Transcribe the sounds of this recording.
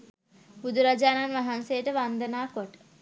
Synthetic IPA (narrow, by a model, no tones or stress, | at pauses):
bud̪uɾad͡ʒaːnanʋaɦansejːʈəʋand̪ənaːkoʈə̥